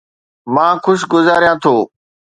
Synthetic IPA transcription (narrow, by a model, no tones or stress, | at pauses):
mãːxʊʃ̬ɡʊzaːɾijãːt̪ʰoː